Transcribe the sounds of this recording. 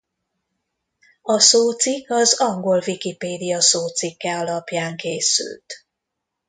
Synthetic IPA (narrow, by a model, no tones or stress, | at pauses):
ɒsoːt̪sikːɒzɒŋɡo̞lvikipeːd̪ijɒsoːt̪sikːɛɒlɒpjaːŋkeːsy̰lt̪